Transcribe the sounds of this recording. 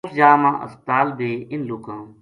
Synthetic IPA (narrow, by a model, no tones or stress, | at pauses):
sd͡ʒaːmãːʔə̰ft̪aːlbeːɪnlukãː